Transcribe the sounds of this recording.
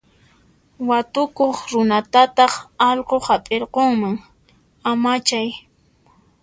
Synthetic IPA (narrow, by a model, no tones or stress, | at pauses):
wat̪ʊkoχɾʊnat̪at̪ɑχɑʎqohapʼeɾqoŋmaŋ | amat͡ʃaj